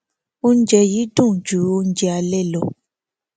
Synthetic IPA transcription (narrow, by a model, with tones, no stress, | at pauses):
o˦n̩˦d͡ʒɛ˧ji˨˦dũ˦˨d͡ʒu˨˦o˦n̩˦d͡ʒɛ˧a˧lɛ˦˨lɔ˨